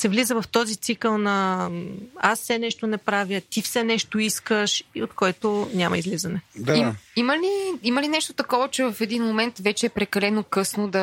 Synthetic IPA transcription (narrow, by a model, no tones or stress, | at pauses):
sɛvlizəvɐft̪ɔzit̪sikəlˠnɐ | asfsɛnɛʃt̪onɛpɾavʲjət̪ifsɛnɛʃt̪oiskəʃiot̪̚kɔɛt̪onʲamɐ̰izlizɐnɛd̪aimiməliiməlinɛʃt̪ot̪ɐkɔvət͡ʃɛvɐfɛd̪inmomɛnt̪vɛt͡ʃɛːpɾɛkɐlɛnokɤsnod̪ɐ